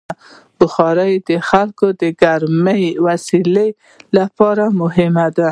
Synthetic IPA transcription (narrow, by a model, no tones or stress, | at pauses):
bʊxɑɾajd̪əxalkod̪əɡaɾməjwasile | lapɑɾamʊɦɪmad̪a